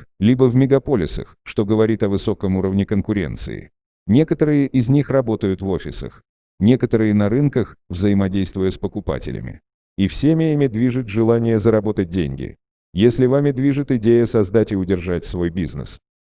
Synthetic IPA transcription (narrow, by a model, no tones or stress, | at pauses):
lʲibəvmʲɪɡɐpo̞lʲɪ̰sə̰xʂt̪o̞ɡəvɐɾʲit̪ɐvɨso̞kəmuɾəvnʲɪkənkʊɾʲe̞̰nt̪sɨ̰ɪ̰ | nʲe̞kət̪əɾɨjəʔɪzʲnʲixrɐbo̞t̪əjʊt̪vo̞fʲɪsə̰x | nʲe̞kət̪əɾɨjənɐɾɨnkəxvzəjɪmɐdʲejst̪vʊjəspəkʊpa̰tʲɪ̰lʲɪ̰mʲɪ̰ | ifsʲemʲɪimʲɪd̪vʲiʐɨt̪ʲʐɨlˠanʲɪjəzəɾɐbo̞t̪ət̚ʲdʲḛnʲɡʲɪ̰ | jesʲlʲɪvamʲɪd̪vʲiʐɨt̪ɪdʲejəsɐzd̪atʲɪʊdʲɪrʐatʲsvo̞jbʲiznɨ̰s